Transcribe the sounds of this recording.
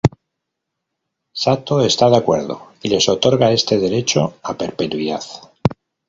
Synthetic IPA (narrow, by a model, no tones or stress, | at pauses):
sat̪oe̞st̪aðakwe̞̰ɾðo̞̰ile̞so̞t̪o̞ɾɣae̞st̪e̞ðe̞ɾe̞t͡ʃo̞ape̞ɾpe̞t̪wiða̰θ